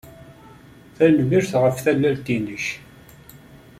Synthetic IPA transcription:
θænmiɾθʁəfθælːælt̪inəç

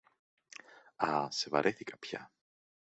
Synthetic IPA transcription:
ɐsevɐ̰ɾʔeθikɐpçɐ̰

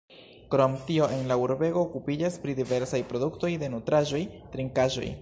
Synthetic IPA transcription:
kɾo̞mtio̞ʔe̞nlauɾbe̞ɡo̞ːkupid͡ʒaspɾidive̞ɾsajpɾo̞dukto̞jde̞nutɾaʒo̞jtɾiŋkaʒo̞̰j

